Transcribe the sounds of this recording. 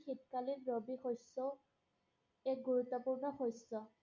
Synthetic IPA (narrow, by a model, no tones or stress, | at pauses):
xit̚kalinɹobixosɔ | ɛk̚ɡuɹut̪ːɔpuɹnɔxɔsːɔ